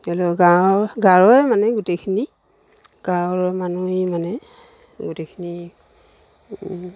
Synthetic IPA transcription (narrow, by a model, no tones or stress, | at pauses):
ɛlɔɡaɔɹɡaɹɔɹɛmanɛɡutejkʰini | ɡ̥aɹɔɹmanumanɛ | ɡutejkʰini